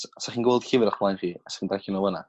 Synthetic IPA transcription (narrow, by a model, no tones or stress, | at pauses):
sasaχiːnɡwɛlˠd̥hɪvɪɾaχblˠajnriːasḁχiːndrakinɔwəna̰